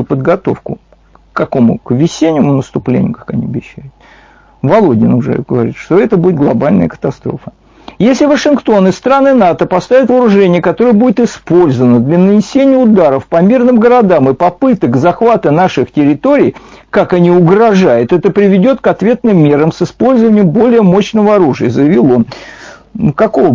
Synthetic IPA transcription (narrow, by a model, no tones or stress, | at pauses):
pəd̪ɡɐt̪o̞̰fkʊ̰ | ɐko̞mʊ̰kvʲɪsʲenʲːɪmʊnəst̪ʊplʲḛnʲɪjʊkḁkɐnʲiɐbʲɪɕːæjʊt̪̚ | vɐlˠo̞dʲɪnʊʐɛ̰ɡəvɐɾʲḭt̪ʂt̪oɛt̪əbudʲɪt̪ɡlˠɐbalʲnə̰jəkə̥t̪ɐst̪ɾo̞̰fə | jesʲlʲɪvəʂɨnkt̪o̞nɨst̪ɾanɨnat̪əpɐst̪avʲɪt̪vəɾʊʐɛnʲɪjəkɐt̪o̞ɾəjəbudʲɪt̪ɪspo̞lʲzəvənəd̪lʲənənʲɪsʲenʲɪjəʊd̪aɾəfpɐmʲirnɨmɡəɾɐd̪amɨpɐpɨt̪əkzɐxvat̪ənaʂɨxtʲɪɾʲɪt̪o̞ɾʲɪj | kakɐnʲiʊɡɾɐʐajʊt̪ɛt̪əpɾʲɪvʲɪdʲo̞t̪kɐt̪vʲe̞t̪nɨmːʲe̞ɾəmsɨspo̞lʲzəvənʲɪjəmbo̞lʲɪjəmo̞ɕnəvəɐɾuʐɨjəzəjɪvʲilˠo̞n | kɐko̞